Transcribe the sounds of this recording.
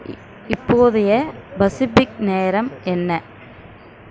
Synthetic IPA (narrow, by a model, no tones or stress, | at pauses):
ɪpːoːðɪjɐbɐsɪfɪk̚neːɾɐmɛnːɐ